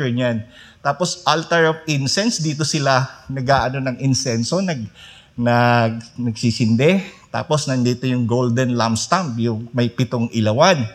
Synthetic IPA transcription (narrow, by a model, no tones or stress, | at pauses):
ɲant̪aːpo̞sʔalt̪ɛɹɐvɪnsɛnsd̪iːt̪o̞sɪlanɐɡaːʔɐno̞nɐŋʔɪnsɛnso̞nɐɡ | nɐɡ̚nɐɡsisɪnd̪ɛt̪a̰ːpo̞snɐnd̪iːt̪o̞jʊŋɡold̪ɛnlamst̪ampjʊŋmɐjpɪt̪oŋʔɪlɐwan